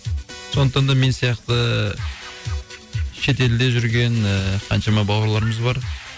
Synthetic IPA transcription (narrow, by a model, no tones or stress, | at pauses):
so̞nəqt̪ɑnd̪ɑme̞nsijɑqt̪ə | ʃe̞t̪e̞ld̪e̞ʒʏɾɡʲe̞nqʰɑnʃɑmɑbɑwəɾlˠɑɾəməzbɑɾ